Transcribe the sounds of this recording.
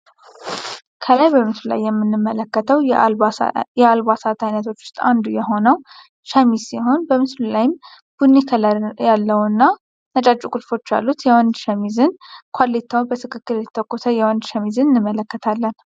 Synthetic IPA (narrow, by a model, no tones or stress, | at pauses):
kʰəlajbəmɨslula̰jːɛmːɨnːɨmːələkːət̪ʰəw | jɛalbasat̪ʰajnət̪ʰo̞t͡ʃːwʊ̥st̪ʼa̰nd̪ujɛɦo̞nəw | ʃamizsiɦo̞nbəmɨslulajɪm | b̥unːikʰjalːəwnːa | nət͡ʃʼat͡ʃʼukʼulfo̞t͡ʃːja̰lːut̪jɛwɔnd̪ʃəmizɨnkʷʰalːet̪ʰːawbət̪ʰɨkʰɨkːɨɾjɛt̪ʰə̥t̪ʰəkʼːusʰəjɛwɔnd̪ʃəmizɨnɨnːɨmːələkːət̪ʰalːən